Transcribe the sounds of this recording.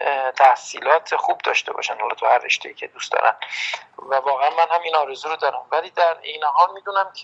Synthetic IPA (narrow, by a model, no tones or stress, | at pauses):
t̪ʰæhsiːlɒːt̪ʰexubd̪ɒ̰ːʃt̪e̞bɒ̰ːʃænhɒlɒːt̪ʰuhærːḛʃt̪ḛiːcʰe̞d̪ust̪d̪ɒ̰ːɾʔæ̰nvævɒːɣeænmænhæminɒːɾezuːɾod̪ɒːɾæmvæliːd̪æɾejneɦɒːlmiːd̪unæmcʰe